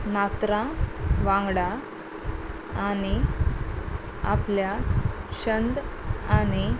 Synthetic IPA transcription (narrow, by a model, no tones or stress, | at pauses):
nat̪ɾaʋãŋɡɽa | ani | apljaɕənd̪ani